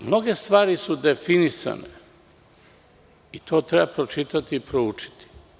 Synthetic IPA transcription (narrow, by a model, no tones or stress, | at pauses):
mno̞ɡe̞st̪ʋaːɾisud̪e̞finisa̰nḛ | it̪ʰo̞ːt̪ɾebapɾot͡ʃit̪at̪iːpɾout͡ʃi̥t̪i̥